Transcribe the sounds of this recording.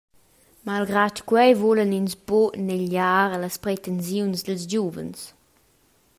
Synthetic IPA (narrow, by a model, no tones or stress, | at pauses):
malɡɾatkwɛjvɔləninsboneʎaːɾləspɾet̪ɛnsjunsd̪əlsd͡ʒuvə̰ns